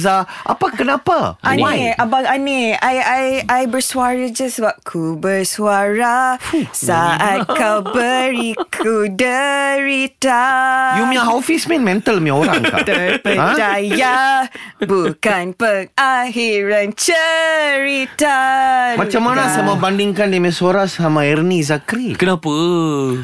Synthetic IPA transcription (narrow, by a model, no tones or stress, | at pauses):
zaʔapakənapaʔaneabaaneajajajbərsuaɾəd͡ʒasəbap̚kʰubərsuaɾasaat̪̚kabəɾikʰudəɾit̪ajumĩaɦawfismɛ̃nmɛ̃nt̪əlmĩãoɾaŋkat̪əpəãd͡ʒdajja | bukanpəŋaɦiɾant͡ʃəɾit̪amãt͡ʃamːanasamabandiŋkandimɛ̃suaɾasamaɛɾnizakɾikənapə